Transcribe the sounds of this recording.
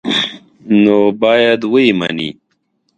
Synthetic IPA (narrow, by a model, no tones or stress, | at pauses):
noːbaːjad̪wuima̰ni